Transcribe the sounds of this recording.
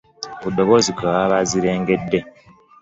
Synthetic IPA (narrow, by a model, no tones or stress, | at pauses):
kudoβozikaβaːβaziɾeːŋɡe̞dːe̞